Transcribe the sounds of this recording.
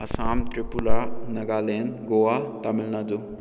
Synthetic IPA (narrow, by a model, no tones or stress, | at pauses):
ɐsaːmt̪ɾipulanɐɡalenɡowat̪amilnad͡zu